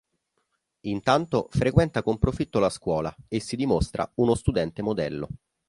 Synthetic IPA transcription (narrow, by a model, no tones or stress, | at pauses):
int̪ant̪ofɾekwɛnt̪akompɾofit̪ːolaskwɔːlaesːid̪imost̪ɾa̰unost̪ud̪ɛnt̪emod̪ɛlːo̰